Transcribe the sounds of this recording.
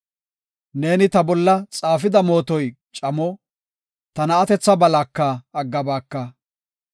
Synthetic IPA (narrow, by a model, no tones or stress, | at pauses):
ne̞ːnɪt̪ɐbɔlːɐt͡sʼaːfɪd̪ɐmo̞ːt̪ɔj | t͡ʃʼɐmɔ | t̪ɐnɐːt̪ɛt͡sːɐbɐlaːkːɐɐɡːɐbaːkːɐ